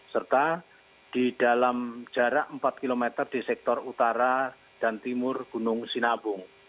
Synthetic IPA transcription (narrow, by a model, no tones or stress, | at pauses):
sərt̪a | d̥idalamd͡ʒ̥aɾaəmpat̪̚kilomet̪ərdisɛk̚t̪ɔrut̪aɾa | d̥ant̪imʊrɡ̥unʊŋsinabʊŋ